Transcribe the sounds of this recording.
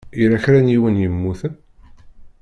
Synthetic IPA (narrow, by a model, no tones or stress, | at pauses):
iɾæçɾæniwənjəmːuθən